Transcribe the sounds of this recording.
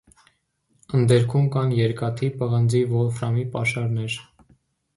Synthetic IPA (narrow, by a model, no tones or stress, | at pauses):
ənd̪ɛɾkʰumkɑnjɛɾkɑt̪ʰipəʁənd͡zivɔlfɾɑmipɑʃɑɾnɛɾ